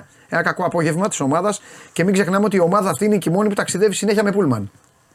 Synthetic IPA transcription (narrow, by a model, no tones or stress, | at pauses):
e̞nɐkɐko̞ɐpo̞ʝevmɐt̪i̥so̞mɐðɐsce̞miɡze̞xnɐmeo̞t̪io̞mɐðɐːft̪ineicimo̞niput̪ɐksiðe̞visine̞çiɐme̞pulmɐn